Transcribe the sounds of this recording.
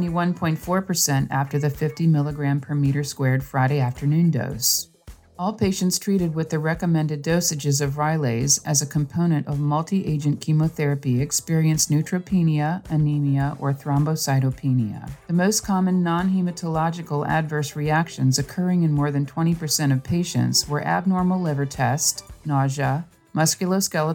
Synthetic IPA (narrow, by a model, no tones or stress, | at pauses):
ñiwʌ̃npʰɔ̃ɪ̃ntfɔɹpʰə˞sɛ̃ntæ̰ftə˞ðɨfɪftimɪlˠəɡɹæ̃mpʰə˞miɾə˞skwɛɹd̥fɹaɪɾeɪæftə˞nʉ̃ndo̰ʊs | ɔlˠpʰeɪʃɨ̃n̩tstʰɹ̥iɾɨd̚wɨðɨɹɛkɨmɛ̃ndɨdoʊsɨd͡ʒɨzʌvɹaɪleɪzɨzɨkʰə̃m̩pʰõʊ̃ñɨ̃ñtʌvmʌlˠtʰiʔeɪd͡ʒɨ̃nkʰimoʊθɛɹɨpiɨkspɪɹiɨ̃nsnʉtʰɹ̥oʊpʰĩniɨɨniniɨʔə̰˞θɹɑ̃mboʊsaɪɾoʊpʰĩniɨ̰ðɨmoʊskʰɑmɨ̃nːɑ̃nɦimɨtʰəlɑd͡ʒɨkl̩ˠæ̰dvɜ˞sɹiækʃɨ̃nzɨkʰɜ˞ɪ̃ŋɨ̃nmɔɹðɨ̃ntʰw̥ɛ̃ɾ̃ipʰə˞sɛ̃ɾ̃ʌv̥pʰeɪʃɨ̰̃ntswə˞ʔæ̰b̚nɔɹml̩ˠlɪvə˞tʰɛstnɑʒə | mʌskjl̩ˠoʊskɛlˠə